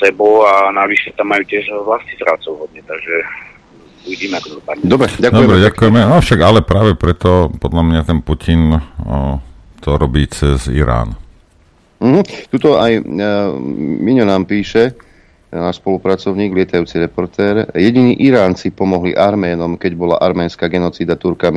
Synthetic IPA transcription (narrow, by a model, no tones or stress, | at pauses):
sɛbɔanaʋiʃɛt̪amːajuːcɪɛʒʋlastizɾat͡sɔʊɦɔd̪ɲɛt̪aɡʒɛ | bujdimɛɡd̪ɔpad̪ɔbɾɛɟakd̪ɔɛbɾɛɟakujɛmɛnafʃaɡalɛpɾaːʋɛpɾɛt̪ɔpɔd̪lamɲat̪ɛnpucʰin | t̪ɔɾɔbiːt͡sɛzḭɾa̰ːn | m̩ɦ̩t̪ut̪ɔaj | miɲɔnaːmpiːʃɛ | naːʃspɔlupɾat͡sɔʊɲiːɡlɪɛt̪ajuːt͡siɾɛpɔɾt̪ɛːɾjɛɟiniːʔiɾaːnt͡sipɔmɔɦlḭʔaɾmɛːnɔmkɛɟbɔlaʔaɾmɛːnskaːɡɛnɔt͡siːd̪at̪uɾkami